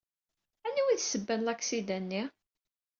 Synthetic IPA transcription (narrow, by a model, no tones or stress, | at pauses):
ænːiwiðsəbːænlæksid̪ænːi